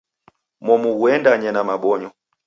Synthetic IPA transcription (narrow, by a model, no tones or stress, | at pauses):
mɔmuɡuɛndaɲɛnamaɓɔɲɔ